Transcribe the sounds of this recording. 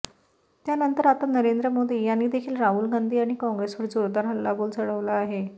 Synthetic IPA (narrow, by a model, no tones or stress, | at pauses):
t̪janənt̪əɾat̪anəɾend̪ɾəmod̪ʱiːjanːiːd̪ekʰiːlɾaɦuːlɡand̪ʱiːaɽ̃ikɔ̃ŋɡɾesʋəɾd͡zoɾd̪aɾɦəlːabolt͡səɽəʋlaːɦe